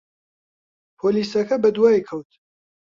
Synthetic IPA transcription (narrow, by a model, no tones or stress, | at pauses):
pʰoːliːsɐkʰɐbɐd̪uwaːjkʰɐwt̪ʰ